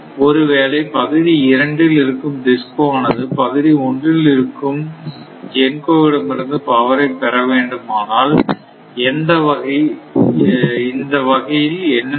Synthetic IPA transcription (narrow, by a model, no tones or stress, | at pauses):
ɔɾɯʋeːlɐɪpɐɣɯðiɪɾɐɳɖɪlɪɾɯkːɯmd̪ɪskɯaːnɐðɯpɐɣɯðiɔɳdrɪlɪɾɯkːɯm | d͡ʒɛnkoːʋɪɽɐmɪɾɯnd̪ɯpɐʋɐɾɐɪpːɛɾɐʋeːɳɖɯmaːnaːl | ɛnd̪ɐʋɐɣɐɪ | ɪnd̪ɐʋɐɣɐjɪlɛnːɐ